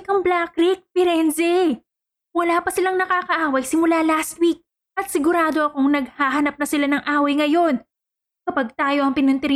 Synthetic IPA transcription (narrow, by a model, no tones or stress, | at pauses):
kɐmblakɾik̚pɪɾɛnzɛ | wɐlaːpɐsɪlaŋnɐkaːkɐʔaːwɐjsɪmʊlalast̪̚wik̚ | ʔɐt̪sɪɡʊɾaːd̪o̞ʔɐkoŋnɐɡ̚haːɦɐnɐp̚nɐsɪlanɐŋʔaːwɐjŋɐjo̞n | kɐpɐɡ̚t̪aːjo̞ʔɐŋpɪnʊnt̪ɛɾɪ